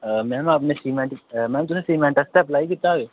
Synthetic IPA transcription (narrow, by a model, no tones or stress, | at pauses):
mɛ̃ːmɐpnesiːmẽɳʈmɛ̃ːmt̪ʊsẽsiːmẽɳʈəst̪eɐplaːikɪt̪aʋe